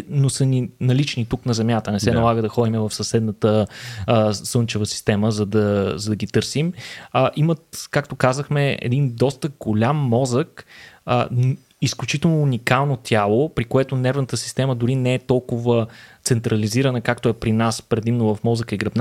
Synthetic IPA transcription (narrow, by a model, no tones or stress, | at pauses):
nosəninɐlit͡ʃnit̪uknɐzɛmjat̪ənɛsɛnɐlˠaɡəd̪ɐxɔd̪imɛvɐfsɐsɛd̪nət̪ə | sɤnt͡ʃəvəsi̥st̪ɛməzɐd̪ɐzɐd̪ɐɡit̪ɤɾsiməʔimət̪kakt̪okazəxmɛɛ̰d̪ind̪ɔst̪əɡolʲamːɔzəkə | isklʲut͡ʃit̪ɛlˠnoːnikalˠnot̪ʲjalˠopɾikoɛt̪onɛɾvnət̪əsi̥st̪ɛməd̪ʊɾinɛɛt̪ɔlˠkʊvət̪sɛnt̪ɾɐliziɾənəkak̚t̪oɛpɾinaspɾɛd̪imnovɐfmɔzəkəiɡɾɐbn